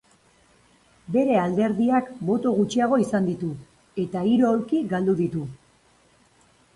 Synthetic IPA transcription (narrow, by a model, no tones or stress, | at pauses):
be̞ɾe̞ald̪e̞ɾðiakbo̞t̪o̞ɣ̞ut͡ʃiaɣ̞o̞isand̪it̪u | e̞t̪aiɾo̞ːɾkiɡald̪uðit̪u